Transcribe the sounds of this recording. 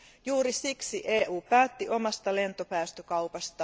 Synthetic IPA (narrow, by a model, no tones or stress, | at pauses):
juːɾisiksiʔeːʔuːpæːt̪ːiʔo̞mɑst̪ɑlent̪opæːst̪økɑupɑst̪ɑ